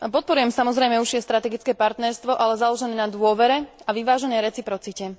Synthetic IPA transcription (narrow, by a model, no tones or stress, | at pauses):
pɔt̪̚pɔɾujɛmsamɔzɾɛjmɛuʒjɛst̪ɾat̪ɛɡit͡skɛːpaɾt̪nɛɾst̪ʋɔʔalɛzalɔʒɛnɛːnad̪ʊɔʋɛɾɛaʋiʋaːʒɛnɛːɾɛt͡sipɾɔt͡sicɛ